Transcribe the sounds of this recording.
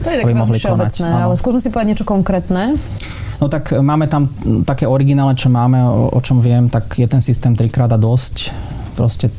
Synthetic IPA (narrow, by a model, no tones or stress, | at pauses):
t̪ɔɛabimmɔɦlikɔnat͡snɛːaalɛskuzmɛsipɔʋɛd̪aɲjɛt͡ʃɔkɔŋkɾɛːt̪nɛː | nɔt̪akmaːmɛt̪amt̪akɛːɔɾiɡinaːlnɛt͡ʃɔmaːmɛ̰ɔ̰t͡ʃɔmʋɪɛmt̪akjɛt̪ɛnsist̪ɛːmt̪ɾikɾaːd̪ad̪ɔsc | pɾɔscɛ